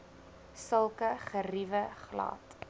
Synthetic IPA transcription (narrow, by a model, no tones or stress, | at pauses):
səlˠkəχərivəχlɑ̰ːt